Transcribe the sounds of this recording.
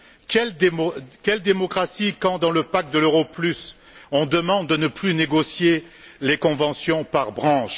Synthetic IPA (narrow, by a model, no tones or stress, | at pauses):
kɛlkʲɛld̪emɔkχasikɑ̃d̪ɑ̃ləpak̚d̪əløʁɔplys | ɔ̃d̪əmɑ̃d̪ːənəplyneɡɔsje | lekɔ̃vɑ̃sjɔ̃paʁbʁɑ̃ʃ